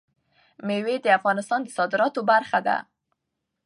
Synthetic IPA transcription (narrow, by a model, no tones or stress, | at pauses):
mewed̪əafɣɑnɪst̪ɑnd̪əsɑd̪ɪɾɑt̪obaɾxad̪a̰